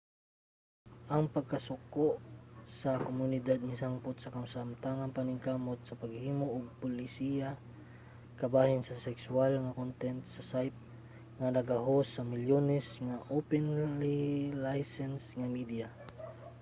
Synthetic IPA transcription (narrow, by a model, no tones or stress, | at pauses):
ʔɐŋpɐɡ̚kɐsʊkoʔsɐkomʊnɪd̪ad̪̚mɪsaŋpʊt̪̚sɐkamsamt̪aŋɐŋpanɪŋkamʊt̪̚sɐpɐɡhiːmoʔːɡ̚pʊlɪsija | kɐbaːhɪnsɐsɛkswalŋakont̪ɛnt̪sɐsajt̪̚ | ŋanɐɡaɦosɐmɪljonɛsŋaʔopɛnlilajsɛnsŋamid̪ija